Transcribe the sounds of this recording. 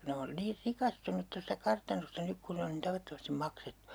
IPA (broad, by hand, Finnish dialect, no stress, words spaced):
ne on niːr rikɑstunut tostɑ kɑrtɑnostɑ nyk kun ne on nin tɑʋɑtːomɑstim mɑksetːu̥